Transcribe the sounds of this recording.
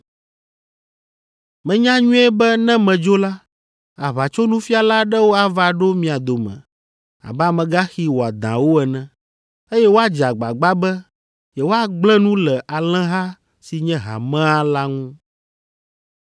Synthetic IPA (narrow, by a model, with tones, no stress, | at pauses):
mɛ̃˨ɲã˦ɲũ˦ɛ˦bɛ˦nɛ̃˦mɛ̃˨d͡ʒo˦la˦ | a˨βa˨t͡ʃo˦nũ˦fi˦a˨la˦ɖɛ˦wo˦a˨va˨ɖo˦mĩ˨a˨d̪o˨mɛ̰̃˨ | a̰˨bɛ˦a˨mɛ̃˨ɡa˦xi˦wo˨a˨d̪ã˨wo˦ɛ˨nɛ̃˨ | e˦jɛ˦wo˦a˦d͡ʒa˨ɡ͡ba̰˨ɡ͡ba˦bɛ˦ | jɛ˨wo˦a˨ɡ͡blɛ̃˦nũ˦lɛ˨ʔa˨l̃ɛ̃˦ɦa˦ | si˨ɲɛ̃˦ɦa̰˨mɛ̃˦a˦la˦ŋũ˦